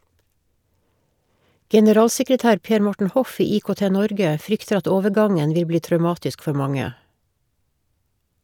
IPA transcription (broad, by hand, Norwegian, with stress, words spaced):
ɡɛnəˈɾɑːlsɛkɹəˌtæːɾ ˈpeːɾ ˈmɔʈɳ̩ ˈhɔf ˈiː iːkoːˈteːˌnɔɾɡə ˈfɾʏktəɾ ˈɑt ˈoːʋəˌɡɑŋən ˈʋɪl ˈbliː tɾœʉˈmɑːtɪsk ˈfœ ˈmɑŋə